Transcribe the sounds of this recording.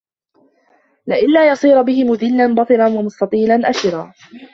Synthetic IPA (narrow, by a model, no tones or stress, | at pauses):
lɪʔɪnlaːjɑsˤiːɾbɪhɪmʊðɪlːanbɑt̪ˤɨɾanwamʊst̪ɑt̪ˤiːlanʔaʃɪɾaː